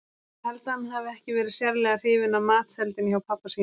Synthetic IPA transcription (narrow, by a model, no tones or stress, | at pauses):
hɛlt̪aanɦavɪɛhcɪvɛːɾɪ̥sjɛɾlɛɣar̥ɪːvɪnamaːt̪sɛlt̪ɪnçawpʰapːasi